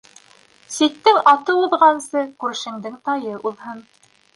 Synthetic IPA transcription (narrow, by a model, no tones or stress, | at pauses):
sĭt̪ːɘŋɑt̪ɤuðʁɑnsɤkʉɾʃɘ̆ŋd̪ɘŋt̪ɑjɤʔuðɦɤn